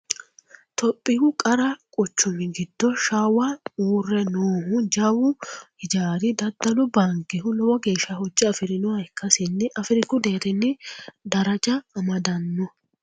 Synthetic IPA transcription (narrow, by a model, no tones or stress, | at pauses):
t̪ɔpʼːɪhʊkʼɐɾɐkʼʊt͡ʃːʊmɪɡɪd̪ːɔʃaːwauːrːɛnoːhʊd͡ʒɐwʊhɪd͡ʒaːɾɪd̪ɐd̪ːɐlʊbɐŋkːɛhʊlɔwɔɡe̞ːʃːɐhɔd͡ʒːɪɐfɪɾɪnɔɐɪkːɐsɪnːɛʔɐfɪɾɪkʊd̪eːɾɪnːɪd̪ɐɾɐd͡ʒɐːmɐd̪ɐnːɔ